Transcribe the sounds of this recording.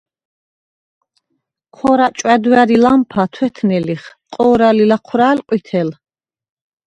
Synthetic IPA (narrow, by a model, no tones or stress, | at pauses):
qʰɔɾat͡ʃʼwɛd̪waɾilampʰat̪ʰwɛt̪ʰnɛliχqʼɔːɾalilaqʰwɾaːlqʼwit̪ʰɛl